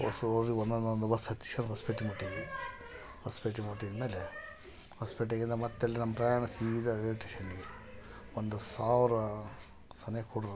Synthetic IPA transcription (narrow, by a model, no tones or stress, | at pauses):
o̰soɾiond̪ond̪ond̪ubɐsɐt̪ːi̥ʂɐnɦɐspeʈːimuʈːiʋi | hɐspeʈːimuʈːid̪ɐmeːle | hɐspeʈ̬ːeɡind̪ɐmɐt̪ːɐlːinɐmːɐpɾɐjaːɳɐsiid̪ɐeiʈeʃɐnːɡe | ond̪usaːʋɾɐ | sɐnɐjɐkuːɽɾ